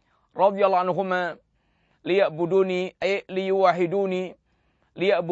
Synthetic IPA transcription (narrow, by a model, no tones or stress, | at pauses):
ɾˤɑd̪ˤjɑlːɑːʕanɦʊma | lɪjaʔbʊd̪uːniʔalɪjʊwaħɪd̪uːni | lɪjaʔbʊ